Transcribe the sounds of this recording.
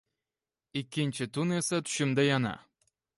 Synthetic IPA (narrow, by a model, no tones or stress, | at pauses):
ikʲːinʲt͡ɕɘ̆t̪unesɤt̪y̥ɕɘ̆md̪ɑjɑnɑ̰